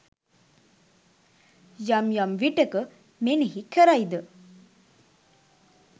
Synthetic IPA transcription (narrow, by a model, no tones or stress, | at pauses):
jamjamʋiʈekə | meniɦikʰːəɾajd̪ə